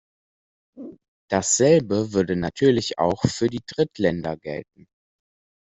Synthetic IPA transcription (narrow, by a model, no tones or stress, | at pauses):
d̥asz̥ɛlbəvʏɐdənatʰyːɐlɪça̰ʊxfyːɐdiːdʁɪtʰlɛndɐɡɛ̰lt̚n̩